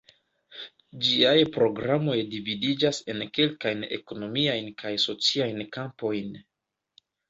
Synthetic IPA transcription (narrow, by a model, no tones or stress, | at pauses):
d͡ʒiajpɾo̞ɡɾamo̞jdividid͡ʒase̞nke̞lkajne̞̰ko̞no̞miajnkajso̞t͡siajnkampo̞jn